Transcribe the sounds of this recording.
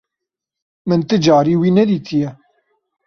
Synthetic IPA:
mɨnt̪ɨd͡ʒɑːɾiːwiːnɛd̪iːt̪ʰijɛ

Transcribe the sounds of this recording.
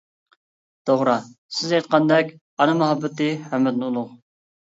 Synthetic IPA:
d̪̥oʁɾɑsɪzjɑjt̪̚qɑnd̪ɛkʲ | ɑnɨmɛɦɑbːɨt̪ɨhæmɪd̪nɨulˠʊq

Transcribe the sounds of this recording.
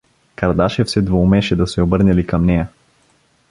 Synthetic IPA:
kɐɾd̪aʃɛfsɛd̪voumɛʃɛd̪ɐsɛobɤɾnɛlikɐmnɛjɐ

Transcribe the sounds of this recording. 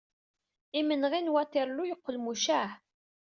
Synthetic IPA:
imənʁinwæt̪iɾˤlujəqːəlmuʃæħ

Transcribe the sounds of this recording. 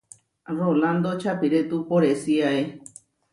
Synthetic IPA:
roland̪ot͡ʃapiɾet̪upoɾesiae

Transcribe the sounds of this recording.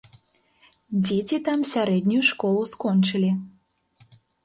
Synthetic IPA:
d͡zʲet͡sʲit̪amsʲaɾɛd̪ʲnʲujuʂkɔlˠuskɔnt͡ʂɨlʲi

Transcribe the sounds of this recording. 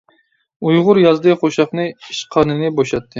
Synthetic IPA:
ujʁʊɾjɑzd̪ɨqʰoʃɑχnɨiʃqʰɑnɨnɨboʃɑt̪ʰːɨ

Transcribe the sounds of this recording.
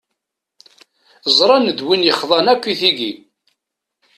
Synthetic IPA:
zˤɾˤɑnəd̪winjəχðˤɑnækʷːiθiɡi

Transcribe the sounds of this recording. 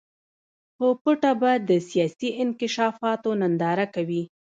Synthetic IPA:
xopəʈabad̪əsijɑsiʔɪnkɪʃɑfɑt̪onand̪ɑɾakawi

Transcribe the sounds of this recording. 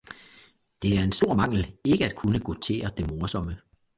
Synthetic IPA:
d̥e̝æɐe̝nsd̥o̝ɐ̰mɑ̈ŋ̰l̩e̝ɡ̥əæd̥̚kʰunəɡ̥ot͡sʰe̝̰ːɐd̥e̝moɐsɒ̽mə

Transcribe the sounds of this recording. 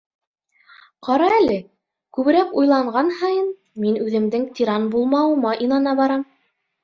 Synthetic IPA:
qɑɾɑælɘ | kʉβɘ̆ɾækujlˠɑɴɢɑnhɑjɤn | minʉðɘ̆md̪ɘŋt̪ʲiɾɑnbulˠmɑwɤ̆mɑʔinɑnɑβɑɾɑm

